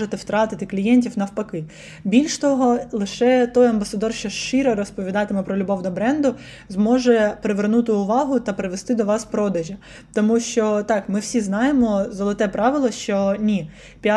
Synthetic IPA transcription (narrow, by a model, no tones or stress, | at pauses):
ʒɪt̪ɛwt̪ɾɑt̪ɪt̪ɪklʲijɛnʲtʲiwnɐwpɐkɪ | bʲilʲʃt̪ɔɦɔlˠɪʃɛt̪ɔjɐmbɐsɐd̪ɔrʃt͡ʃɔʃt͡ʃɪɾɛɾɔspɔʋʲid̪ɑt̪ɪmɛpɾɔlʲʊbɔwd̪ɐbɾɛnd̪ʊ | zmɔʒɛpeɾeʋernut̪ɪʊʋɑɦʊt̪ɐpɾɪʋest̪ɪd̪ɔʋɑspɾɔd̪ɐʒɐ | t̪ɔmuʃt͡ʃɔt̪ɑkmɪwsʲiznɑjemɔzɔlˠɪt̪ɛpɾɑʋɪlˠɔʃt͡ʃɔnʲi | pʲ